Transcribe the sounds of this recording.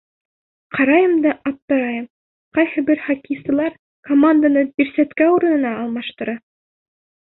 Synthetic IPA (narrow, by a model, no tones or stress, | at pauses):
qʰɑɾɑjɤmd̪ɑɑp̚t̪ɤ̆ɾɑjɤm | qɑjhɤ̆bɘɾχɑkisɤ̆lˠɑɾ | komand̪anɤbiɾsæt̪kæuɾɤ̆nɤ̆nɑːlˠmɑʃt̪ɤ̆ɾɑ